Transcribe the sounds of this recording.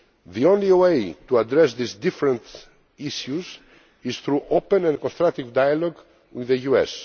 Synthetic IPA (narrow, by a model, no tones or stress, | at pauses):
ðiõnliwejt̪uad̪ɾɛsðisd̪ifɾə̃nt̪ | iʃjuz | izθɾuʔopə̃nɛ̃nkɔ̃nst̪ɾak̚t̪ivd̪ajalɔɡ | wiðəjuɛ̰s